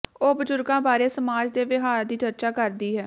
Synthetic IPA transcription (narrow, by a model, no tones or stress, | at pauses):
oːbəd͡ʒʊɾɡãːbaːɾeːsəmaːd͡ʒd̪eːʋɪɦaːɾd̪iːd͡ʒəɾt͡ʃaːkəɾd̪iːɦɛː